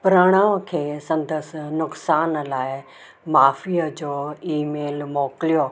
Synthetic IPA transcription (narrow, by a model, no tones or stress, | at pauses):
pɾaːɽ̃aːʋə̃kʰeːsɐ̃nd̪əsnʊksaːnlaːɪ | maːfiːəd͡ʑoːiːmeːlmoːkɪlijo